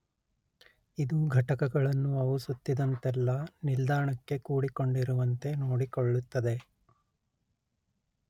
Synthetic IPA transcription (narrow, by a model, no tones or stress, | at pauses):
id̪uɡʱɐʈɐkɐɡɐɭɐnːuɐʋusut̪ːid̪ɐnt̪ɛlːɐnild̪aːɾɳɐkːe̞kuːɽiko̞ɳɖiɾuʋɐnt̪e̞no̞ːɽikoɭːut̪ːɐd̪e̞